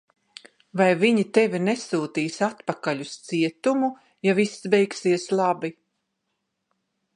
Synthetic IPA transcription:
vajviɲit̪ɛvinɛsuːt̪iːsat̪pakaʎust̪siɛt̪umu | javisːbɛjksiɛslˠabi

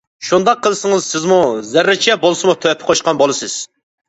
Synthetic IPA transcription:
ʃund̪ɑqʰːəlˠɨsɨŋəzsɪzmuzæɾːɨt͡ʃʰɛbolˠɨsɨmut̪ʰpʰːɪ̥qʰoʃqɑnbolˠɨsɨz̥

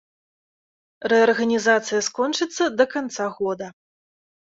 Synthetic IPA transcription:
rɛɐrɣɐnʲizat̪sɨjɐskɔnt͡ʂɨt̪sːɐd̪ɐkant̪saɣɔd̪ɐ

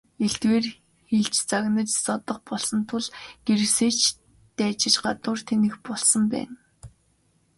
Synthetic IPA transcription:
eɬt̪weːr | xeɮt͡ɕt͡saɣnə̆t͡ɕsɔt̪ɞ̆χpɔɮsɞ̆nt̪ʰʊɮɡ̥eɾɘ̆kseːt͡ɕ | t̪æːt͡ɕɪ̆t͡ɕɢat̪ʊːrt̪ʰenɘ̆xpɔɮsɞ̆mpæ̰ːn

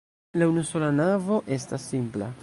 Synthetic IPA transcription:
launuso̞lanavo̞ʔe̞stasːimpla̰

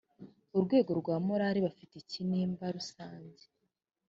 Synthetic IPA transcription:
uɾɡwe̞ːɡo̞ɾɡwaːmoɾaɾiβafiteciniːmbaɾusaːɲze̥

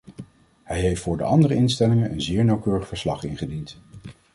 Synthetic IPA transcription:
hɛjɦejftfʊːɹdə̰ʔɑndərəɪnstɛlɪŋənʔənzɪːɹnɑwkøːrəχfəɹslɑχɪ̰nχədint

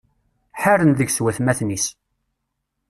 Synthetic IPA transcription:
ħaɾənðəʝswæθmæθnis

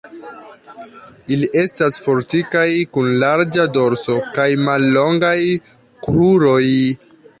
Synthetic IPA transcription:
iliʔe̞stasfo̞ɾtikajkunlaɾd͡ʒado̞ɾso̞kajmalːo̞ŋɡaj | kɾuɾo̞j

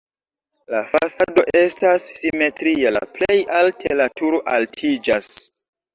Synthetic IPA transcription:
lafasado̞ʔe̞stasːime̞tɾiala̰ple̞jaltʰelatʰuɾoʔaltʰid͡ʒas

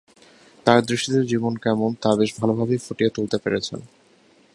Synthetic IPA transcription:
t̪aɾd̪ɾiʃːid̪eɾd͡ʑibonkɛmont̪abeʃbʱalobʱabefoʈiet̪ult̪epeɾet͡ɕʰḛn

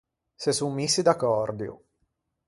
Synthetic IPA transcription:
sesːummːisːid̪akːɔrd̪iu

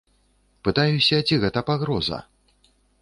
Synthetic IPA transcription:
pɨt̪ajusʲɐd͡zʲiɣɛt̪ɐpaɣɾɔzɐ̰

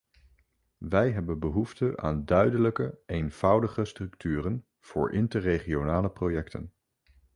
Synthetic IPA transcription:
ʋɛjɦɛbənbəɦuftəʔa̰ːndœɥdələkəejnv̥ʌwdəχəstrɵktyːrən | v̥ʊ̰ːɹʔɪntərejχionaːləprojɛktʰə̰n

